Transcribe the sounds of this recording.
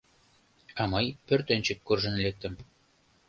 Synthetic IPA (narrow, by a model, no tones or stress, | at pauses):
ɑmɤjpørt̪enʲt͡ɕə̆kːurʒə̆nlek̚t̪ə̆m